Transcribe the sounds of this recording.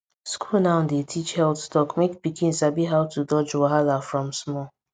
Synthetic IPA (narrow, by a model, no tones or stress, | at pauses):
skʰulnãʊ̃ndetʰit͡ʃhɛldstɔkmekbikĩn̩sabiɦaʊtudɔd͡ʒwaɦalafɹɔ̃msmɔ